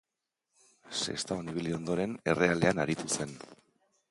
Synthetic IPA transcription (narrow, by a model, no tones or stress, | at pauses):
se̞̰st̪aoniβ̞ilio̞nd̪o̞ɾe̞ne̞re̞ale̞anaɾit̪use̞n